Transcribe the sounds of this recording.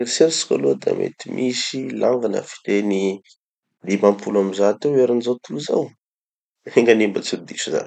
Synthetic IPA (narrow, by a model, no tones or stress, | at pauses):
eɾseɾsi̥ka̰lud̪a̰mḛt̪imʔisilaŋɡanə̰fi̥t̪eni | d̪imampulamizat̪ewaɾinizawt̪uluza̰w | eŋɡanimbət͡suld̪iʃza̰n